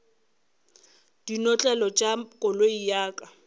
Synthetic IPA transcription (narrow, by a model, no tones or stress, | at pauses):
d̥inɔt͡ɬʼɛlɔt͡ʃʼakʼɔloijaːkʼa